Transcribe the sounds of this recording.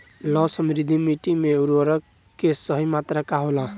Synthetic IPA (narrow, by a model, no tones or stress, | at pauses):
lɔsəmɾid̪ʱimiʈimeuɾʋəɾʌk | kːesəɦimat̪ɾakaɦolã